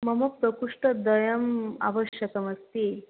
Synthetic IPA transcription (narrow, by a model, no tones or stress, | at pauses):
məmək̚t̪əkuʂʈəd̪əjəma̰ʋəɕjəkəməst̪i